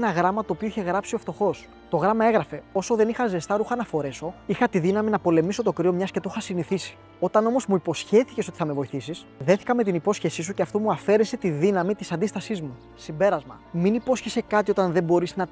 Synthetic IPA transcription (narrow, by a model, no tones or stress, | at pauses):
enɐɣɾɐmɐt̪oːpioiçe̞ɣɾɐpsioft̪o̞xo̞s | t̪o̞ɣɾɐmɐe̞ɣɾɐfe̞o̞so̞ðe̞nixɐzest̪ɐɾuxɐnɐfo̞ɾe̞so̞ixɐt̪iðinɐminɐpo̞le̞miso̞t̪okɾio̞mɲɐsce̞t̪oxɐsiniθisi̥ | o̞t̪ɐno̞mo̞zmuipo̞sçe̞θi̥ce̞so̞t̪i̥θɐme̞vo̞iθisis | ðe̞θi̥kɐme̞t̪inipo̞sçe̞sis̬uceɐft̪o̞muɐfe̞ɾese̞t̪iðinɐmit̪isɐnd̪ist̪ɐsizmu | simbe̞ɾɐzmɐ̰ | miniposçese̞kɐt̪io̞t̪ɐnðe̞bo̞ɾiznɐ